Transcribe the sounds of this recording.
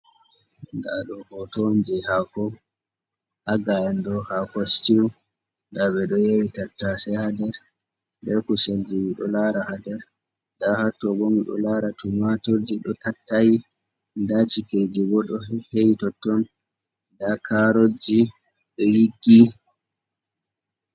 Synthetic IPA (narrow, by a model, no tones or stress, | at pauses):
ŋɡaɗɔɡɔtond͡ʒɛhakɔ | ʔaɡajɛndɔhakɔstiw | ɡaɓɛɗɔjewitatːasɛhadɛɾ | bɛkuseld͡ʒiwiɗɔ̰laɾahadɛɾ | dahatːɔbomiɗɔ̰laɾatʰumatoɾd͡ʒiɗɔtatːaji | ndat͡ʃiked͡ʒiɡɔɗɔhejtɔtːɔn | dakʰaɾod͡ʒi | ɗɔjiɡːi